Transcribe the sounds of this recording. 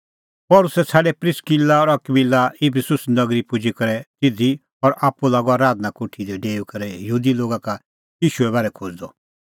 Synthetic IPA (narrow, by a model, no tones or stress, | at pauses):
pɔːlʊsɛt͡sʰaːɖɛpɾɪskilaɔɾɐkbilːaipʰisʊsnɐɡɾipʊd͡ʒikɐɾɛt̪ɪd̪ʱi | ɔɾʔaːpːulaːɡɔaːɾaːd̪nakʊʈʰid̪ɛɖeːukɐɾɛjəɦuːd̪iloːɡaka | jiːʃuɛbaːɾɛkʰoːd͡ʒd̪ɔ